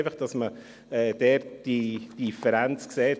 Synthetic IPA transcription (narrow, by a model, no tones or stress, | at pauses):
fəχd̥ɑsmə | ɛːd̥ɛːd̥id̥ifəɾænt͡skseːt